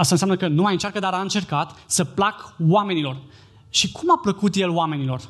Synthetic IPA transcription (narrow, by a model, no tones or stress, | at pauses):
ast̪ansʲamnəkənumajɨnt͡ʃarkəd̪aɾaɨnt͡ʃe̞rkat̪səplakwame̞nilo̞r | ʃikʰumapləkut̪je̞loame̞nilo̞r